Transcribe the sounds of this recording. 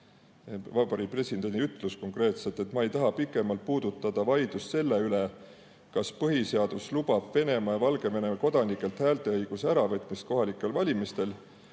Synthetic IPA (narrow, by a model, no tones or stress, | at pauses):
vɑbɑɾipre̞sid̪e̞niyt̪ˑlusko̞ŋkre̞ːt̪se̞lt̪ːˑe̞t̪ːˑmɑe̞jt̪ɑɦɑpikːˑe̞mɑlt̪̚puːd̪̥ut̪ːˑɑd̪̥ɑvɑjd̪̥usse̞lːe̞yle | kɑspɤɦise̞ɑd̪̥uslub̥ɑb̥ve̞ne̞mɑjɑvɑlɡ̥e̞ve̞ne̞mɑko̞d̪̥ɑnikːˑe̞lt̪hæːlt̪e̞ɤjɡ̥usæɾɑvɤt̪ːˑmist̪̚ko̞ɦɑlikːˑe̞lvɑlʲimist̪e̞l